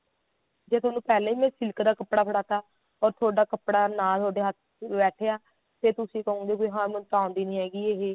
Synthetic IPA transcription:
d͡ʒeːt̪ʰwaːnũːpɛːlẽːĩːmɛ̃ːsɪlkd̪aːkəpɽaːpʰəɽaːt̪aː | ɔːɾt̪ʰoːɖaːkəpɽaːnaːt̪ʰoːɖeːɦət̪̚ʰ | bɛːʈʰeːaː | t̪eːt̪ʊsĩːkəɦõːɡeːboːɦãːmɛ̃t̪ãːʊnd̪iːnĩːɦɛːɡiːeːɦeː

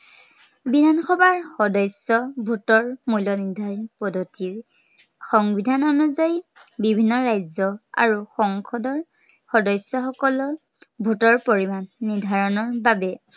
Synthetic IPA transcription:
bidʱanxɔbaɹxɔdɔjsɔbʱutɔɹmujlɔnidʱaɹipɔdʱɔtiɹ | xɔŋbidʱanɔnuzajbibʱinːɔɹajzɔa̰ɹuxɔŋkʰɔdɔɹ | xɔdɔjsjɔxɔkɔlɔɹ | bʱutɔɹpoɹimanːiɹdʱaɹɔnɔɹbabɛ

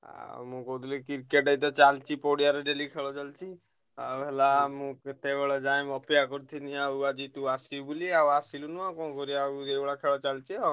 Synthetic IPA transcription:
a̰mũkɔd̪ulikiɾkeʈɖəjt̪̬ɔt͡ʃalt͡ʃipoɽijaɾeɖelikʰeɭɔt͡ʃalt͡ʃi | abelamũt̪ebeɭɔd͡ʒajmɔpjakɔɾt̪ʰiniauad͡ʒit̪uasibuliawasilunuãkɔ̃ːkɔɾiaebɽakʰeɭɔt͡ʃalt͡ʃiɔ

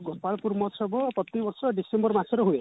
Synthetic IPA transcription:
ɡopalpurmɔsʌbʌpʌt̪ːibʌrsʌɖisembʌrmasʰeɾʌɦue

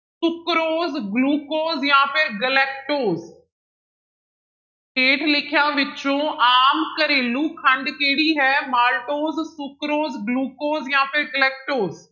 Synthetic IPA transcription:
sʊkɾoːzɡluːkoːzjãːpʰɪɾɡəlɛːk̚ʈoːz | eːʈʰlɪkʰɪjãːʋɪt͡ʃõːʔaːmkəɾeːluːkʰə̃ɳɖkeːɽiːɦɛːmaːlʈoːzsʊkɾoːzɡluːkoːzjãːpʰɪɾɡəlɛːk̚ʈoːz

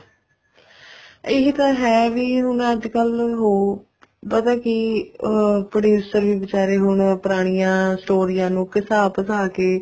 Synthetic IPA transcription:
ɪɦt̪ãːɦɛːʋiːɦʊɳəd͡ʒkəlɦoː | pəd̪aːkɪ | pɾəɖuːsəɾʋiːʋɪt͡ʃaːɾeːɦʊɳpəɾaːɽ̃ijãːsʈoːɾijãːnũːkɪsaːpəsaːkeː

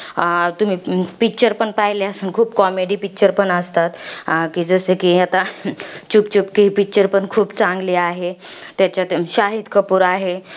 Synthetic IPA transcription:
t̪um̤iːpik̚t͡ɕəɾpəɳpaɦileəsəːnkʰuːpkɔmeɽiːpik̚t͡ɕəɾpəɳəst̪at̪kiːd͡zəsekiːat̪at͡ɕupt͡ɕupkiɦipik̚t͡ɕəɾpəɳkʰuːpt͡sãŋɡliːaɦet̪jat͡ɕjaɕaɦid̪kʰəpuːɾaɦe

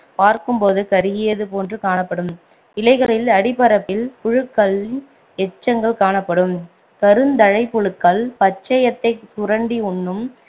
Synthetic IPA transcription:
paːɾkɯmpoːðɯkɐɾɯɣɪjɐðɯpoːndrɯkaːnɐpːɐɽɯm | ɪlɐɪɣɐɭɪlɐɽɪpɐɾɐpːɪlpʊɻɯkːɐɭ | ɛt͡ʃːɐŋɡɐɭkaːɳɐpːɐɽɯm | kɐɾɯnd̪ɐɻɐɪpːʊɻɯkːɐɭpɐt͡ʃːɐjɐt̪ːɐɪsʊɾɐɳɖiʊɳːɯm

